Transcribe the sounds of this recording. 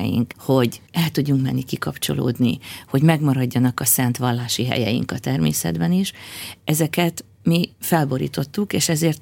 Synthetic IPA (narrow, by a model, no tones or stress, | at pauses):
ɛ̰jḭŋkho̞ɟɛlt̪uɟːuŋkmɛnːikikɒpt͡ʃo̞̰lo̰ːd̪niho̞ɟmɛɡmɒɾɒɟːɒnɒkɒsɛnt̪ʋɒlːaːʃiɦɛ̰jɛ̰jḭŋkɒt̪ɛrmḛːsɛ̰d̪bɛniʃɛzɛkɛt̪ | mifɛlbo̞ɾḭːt̪o̞t̪ːukeːʃɛzeːrt̪